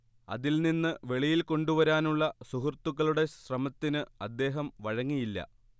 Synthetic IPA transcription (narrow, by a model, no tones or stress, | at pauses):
ɐ̰ðilninːɨʋe̞ɭijilko̞ɳɖuʋɐɾaːnuɭːɐsuɦurt̪ːuɣɐɭuɽe̞ɕrɐmɐt̪ːinɨɐd̪ːe̞ːɦɐmʋɐɻɐŋːijilːɐ̰